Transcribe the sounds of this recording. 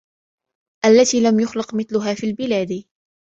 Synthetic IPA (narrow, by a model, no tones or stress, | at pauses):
ʔalːat̪iːlamjʊxlɪqmɪθlʊɦaːfiːlbɪlaːd̪